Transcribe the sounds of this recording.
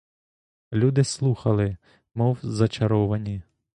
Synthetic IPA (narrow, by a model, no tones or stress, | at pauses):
lʲud̪ɪslˠuxɐlˠɪ | mɔwzɐt͡ʃɐɾɔʋɐnʲi